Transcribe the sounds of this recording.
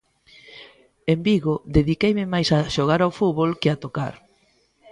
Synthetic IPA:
embiɣod̪eðikejmɪmajsaʃoɣ̞aɾawfuβolkɪat̪oka̰ɾ

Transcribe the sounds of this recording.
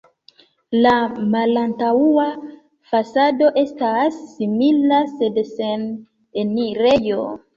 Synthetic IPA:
lamalantaua | fasado̞ʔe̞stasːimilase̞dse̞n | eniɾejo

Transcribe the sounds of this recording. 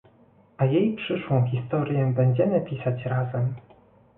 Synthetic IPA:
ajejpʂɘʂwɔ̃w̃xʲist̪ɔɾʲjɛbɛɲd͡ʑɛmɘpʲisat͡ɕɾazɛm

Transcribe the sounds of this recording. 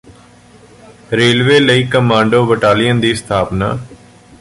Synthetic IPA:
ɾeːlʋeːləiːkəmãːɳɖoːʋəʈaːlɪjənd̪iːst̪ʰaːpna̰ː

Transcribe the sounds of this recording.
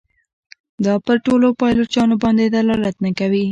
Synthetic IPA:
d̪ɑpəɾʈolopɑjlot͡ʃɑnobɑnd̪ed̪alɑlat̪nakawi

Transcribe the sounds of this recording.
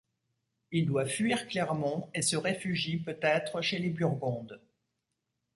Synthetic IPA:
ild̪wafɥiʁklɛʁmɑ̃esəʁefyʒipøt̪ɛt̪χəʃelebyʁɡɔ̃d̪

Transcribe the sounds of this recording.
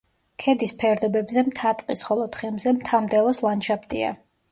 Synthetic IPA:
kʰɛd̪ispʰɛɾd̪ɔbɛbzɛmt̪ʰat̪ʼqʼisχɔlˠɔt̪χɛmzɛmt̪ʰamd̪ɛlˠɔslˠanʃapʰt̪ʼḭa̰

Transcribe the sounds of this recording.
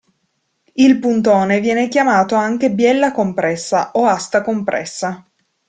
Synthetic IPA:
ilpunt̪oːnevjɛːnekjamaːt̪oaŋk̟ebjɛlːakompɾɛsːaʔoast̪akompɾʔɛ̰sːa

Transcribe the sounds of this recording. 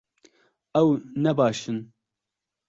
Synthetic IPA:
ɛwnɛbɑːʃɨn

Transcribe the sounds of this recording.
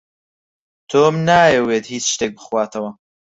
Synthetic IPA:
t̪ʰoːmnaːjɛweːt̪hiːt͡ʃʃt̪eːk̚bɨxwaːt̪ʰɐwɐ

